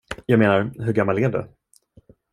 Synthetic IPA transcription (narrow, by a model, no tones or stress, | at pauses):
jɑːɡmeːnaɾɦɵɾɡamːalɛːɖɛ̰